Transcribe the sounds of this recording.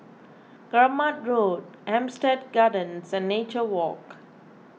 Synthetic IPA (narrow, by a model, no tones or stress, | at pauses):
ɡ̥ɾamat̚ɹod̚ | ɛ̃mstɛd̚ɡadə̃nsɛ̃nːet͡ʃəwɔk